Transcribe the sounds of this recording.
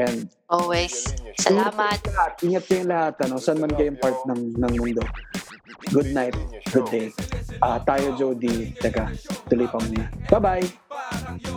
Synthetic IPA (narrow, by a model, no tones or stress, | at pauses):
jan | ʔowɛssɐɪŋamaɐhat̪̚ʔɪŋɐt̪̚kɐjʊŋlɐhat̪ɐno̞sɐnmɐnkɐjʊŋpaɹt̪̚nɐŋnɐŋmʊnd̪o | ɡʊd̪̚najt̪̚ɡ̥ʊd̪ːejʔat̪aːjod͡ʒowd̪it͡ʃɐɡat̪ʊlojpɐmuːnab̥abaj